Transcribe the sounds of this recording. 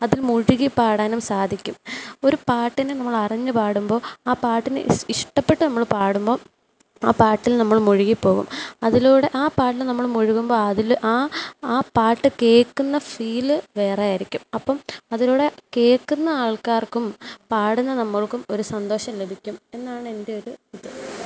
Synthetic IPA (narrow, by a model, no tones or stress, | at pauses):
ɐðilmuɻiɣipaːɽaːnumsaːd̪ʱikʲːumo̞ɾupaːʈːinenɐmːɐɭɐriɲːɨpaːɽumbo̞ːaːpaːʈːinḛiʂʈɐpːe̞ʈːɨnɐmːɐɭpaːɽumbo̞ː | a̰ːpaːʈːilnɐmːɐɭmuɻiɣipːo̞ːɣṵmɐðiluːɽe̞ʔaːpaːʈːilnɐmːɐɭmuɻiɣumbo̞ːɐðilʔaːaːpaːʈːɨke̞ːkːunːɐfiːlɨʋe̞ːrejaːiɾikʲːumɐpːɐmɐðiluːɽe̞ke̞ːkːunːɐaːɭkaːrkumpaːɽunːɐnɐmːɐɭkumo̞ɾusɐnd̪o̞ːɕɐmlebʱikʲːume̞nːaːɳɨe̞ndeo̞ɾuid̪ɐ